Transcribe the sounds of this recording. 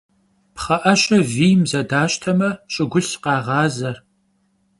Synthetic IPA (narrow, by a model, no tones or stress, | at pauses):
pχɐʔɐɕʼɐviːmzɐdaːɕtʰɐmɐɕʼɪɡʷʊɬqɑːʁɑːzɐr